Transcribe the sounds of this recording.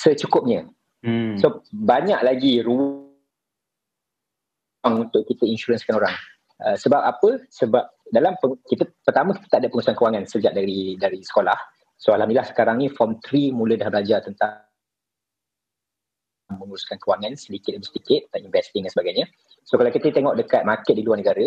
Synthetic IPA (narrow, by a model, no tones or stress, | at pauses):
sət͡ʃukʊp̚ɲə̃ | sobaɲaʔlaɡiɾu | aŋunt̪ʊʔkːit̪əinʃuɾənskanoɾaŋ | ʔəsəbap̚apəsəbap̚dalampəkit̪əpərt̪amə̃kit̪ə̥t̪aʔadəpəŋuɾusankəwaŋãnsəd͡ʒaʔ̚daɾidaɾisə̥kolah | soalahnilahsə̥kaɾaŋnĩfɔmt̪ɾimulədahbəlad͡ʒat̪ənt̪a | mə̃ŋuɾuskankəwaŋãnsədikɪt̪̚dabisədikɪt̪̚əinvɛst̪ɪŋdansəbaɡajɲə̃ | sokalawkit̪əit̪eŋɔʔdəkat̪̚makɛt̪̚diluarnəɡaɾə